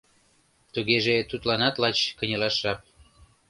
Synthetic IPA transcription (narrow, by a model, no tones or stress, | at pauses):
t̪uɣeʒet̪ut̪lɑnɑt̪lɑt͡ɕkə̆nʲəlɑʃɑp̚